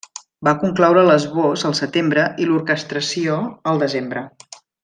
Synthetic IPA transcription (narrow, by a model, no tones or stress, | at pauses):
bakuŋklɔwɾələzβozəlˠsət̪embɾəʔiluɾkəst̪ɾəsioəlˠd̪əzembɾə